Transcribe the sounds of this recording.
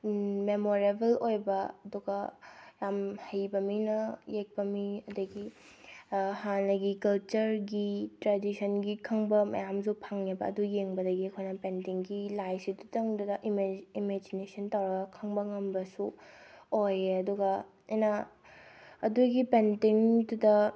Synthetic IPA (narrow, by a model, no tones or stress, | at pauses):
memoɾebelojbɐɐduɡɐjamhɐjbɐminɐjek̚pɐmiɐdɐɡi | hanɐɡikɐlt͡ʃɐɾɡitɾadisʰɐnɡikʰɐŋbɐmɐ̰jamzupʰaŋebɐ̰ɐdujeŋbɐdɐɡiɐkʰojnɐpentiŋɡilajsidutɐŋdudɐʔimimed͡ʒinesɐntawɾɐɡɐkʰɐŋbɐŋɐmbɐsu | ojɐduɡɐ | ɐjnɐː | duɡipentiŋdudɐ